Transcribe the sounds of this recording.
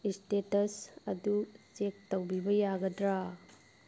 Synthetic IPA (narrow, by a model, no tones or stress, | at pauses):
istetɐsɐdut͡ʃek̚tɐwbibɐjaɡɐdɾa